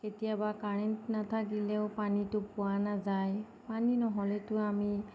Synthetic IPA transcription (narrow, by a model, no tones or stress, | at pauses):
ketijabakaɹɛntnatʰak̚dilɛʊpanitʊpʊwanazaj | paninɔɦɔlɛtʊami